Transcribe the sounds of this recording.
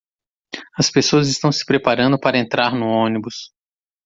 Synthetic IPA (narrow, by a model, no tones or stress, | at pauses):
ɐspesoɐzɪst̪ɐ̃w̃sɪ̥pɾepaɾɐ̃nd̪ʊpaɾɐẽnt̪ɾaɾnʊõnibʊs